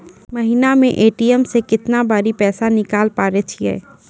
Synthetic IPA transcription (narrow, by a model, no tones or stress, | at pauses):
məɦinamẽʔeːʈiɛmsekɪt̪nabaːɾipɛːsanɪkaːlpaːɾet͡ʃʰiɛ̰ː